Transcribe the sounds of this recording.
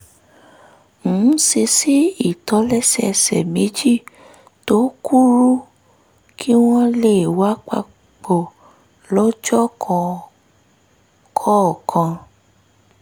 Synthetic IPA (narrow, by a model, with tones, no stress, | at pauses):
ñ̩˨˦se˧si˦i˦˨tɔ˨˦lɛ˦sɛ˦˨˧sɛ̰˨me˨˦d͡ʒi˦˨ | to˨˦ku˦ɾu˦ | kʰi˦w̃ɔ̃˦le˦˨wa˨˦k͡pa̰˧ | k͡po˨ | lɔ˨˦d͡ʒɔ˦kʰɔ̃˧ | kʰɔ˦˨kʰã˧